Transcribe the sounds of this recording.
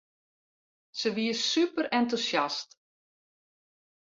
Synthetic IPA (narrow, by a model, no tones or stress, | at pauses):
səʋiəsypəɾɛntusjast